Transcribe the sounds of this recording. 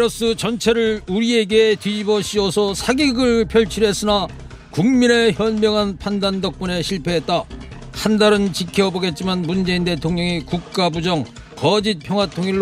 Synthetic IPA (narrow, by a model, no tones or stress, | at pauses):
ɾʌs͈ɯt͡ɕʌnt͡ɕʰeɾɯɭuɾie̞ɡe̞tɥibʌɕʰiʌsʰʌsʰaɡiɡɯɭpʰjʌɭt͡ɕʰiɾɦe̞s͈ɯna | kuŋmine̞çjʌnmjʌŋɦanpʰandandʌk̚p͈une̞ɕʰiɭpʰe̞ɦet̚t͈a | handaɾɯnt͡ɕikʰjʌboɡe̞t̚t͡ɕ͈imanmund͡ʑe̞inde̞tʰoŋɲʌŋikuk̚k͈abud͡ʑʌŋ | kʌd͡ʑit̚pʰjʌŋɦwatʰoŋiɭː